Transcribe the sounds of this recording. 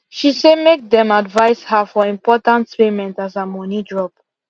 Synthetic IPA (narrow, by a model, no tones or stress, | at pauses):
ʃisemek̚dɛ̃madvaɪshafɔĩmpɔtãntpemɛ̃ntazamɔnidɹɔp̚